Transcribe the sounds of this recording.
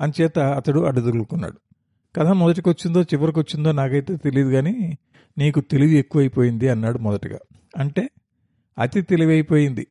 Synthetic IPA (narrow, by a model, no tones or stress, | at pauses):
ɐnt͡ʃɛːt̪ɐːt̪ɐɽuɐɽud̪uɾulukunːa̰ːɽu | kɐd̪aːmɔd̪ɐʈ̬ikʋɐt͡ʃːind̪o̞ːt͡ʃiʋɐɾik̬ʋɐt͡ʃːind̪o̞ːnaːkɐjit̪e̞ːt̪e̞liːd̪uɡaːniː | niːkut̪e̞liʋue̞kːuʋɐjipo̞ːjind̪iɐnːaːɽumɔd̪ɐʈiɡa̰ː | ɐɳʈe̞ː | ɐt̪it̪e̞liʋɐjipo̞ːjind̪i